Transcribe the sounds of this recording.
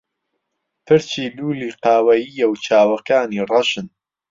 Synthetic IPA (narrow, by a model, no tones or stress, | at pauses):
t̪ʰɨɾt͡ʃiːluːliːqaːwɐjiːjɐwt͡ʃʰaːwɐkaːniːrˤɐʃɨn